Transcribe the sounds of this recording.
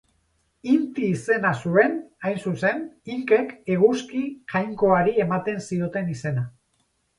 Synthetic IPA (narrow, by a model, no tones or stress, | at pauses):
int̪iːse̞nasue̞najnsuse̞niŋke̞ke̞ɣ̞uskiʝajŋko̞aɾie̞mat̪e̞nsio̞t̪e̞nise̞na